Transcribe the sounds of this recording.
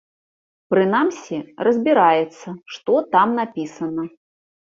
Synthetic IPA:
pɾɨnamsʲirɐzʲbʲiɾajɛt̪sːɐʂt̪ɔt̪amnapʲisɐnɐ

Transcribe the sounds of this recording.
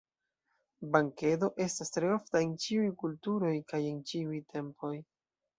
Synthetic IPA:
baŋke̞do̞ʔe̞stastɾe̞o̞ftaent͡ʃiujkultuɾo̞jkaje̞nt͡ʃiujtʰe̞mpʰo̞j

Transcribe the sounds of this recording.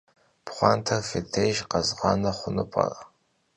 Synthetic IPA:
pχʷɑntʰɐrfetʰejʒqɐzʁɑnɐχʷʊnɨpʼɐ̰rɐ

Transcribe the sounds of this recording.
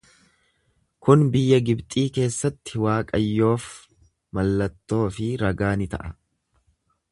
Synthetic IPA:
kʊnbɪjːɐɡɪbt̪ʼiːke̞ːsːɐt̪ːɪwaːkʼɐjːo̞ːf | mɐlːɐt̪ːo̞ːfɪɾɐɡaːnɪt̪ɐ̰ʔɐ

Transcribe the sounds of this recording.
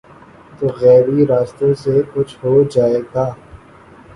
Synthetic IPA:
t̪oːɣɛːɾiɾaːst̪õsekʊt͡ʃʰɦod͡ʒaːeːɡaː

